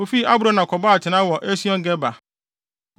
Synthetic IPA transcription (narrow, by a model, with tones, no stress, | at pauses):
o˨fi˦a˦bɾã˦nã˨kʰɔ˨ba˦a˨t͡ɕʰɪ˨nã˦wɔ˨ʔe˦si˦ɔ̃˦ŋ̩˦ɡɛ˦ba˨